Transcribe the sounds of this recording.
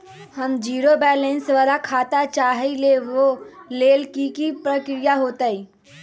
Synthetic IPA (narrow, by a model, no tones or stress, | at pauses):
həmd͡ʒiːɾobɛːlẽnsʋaːlakʰaːt̪at͡ʃaːɦileʋoleːlkikipɾəkɾijaɦoːt̪aiː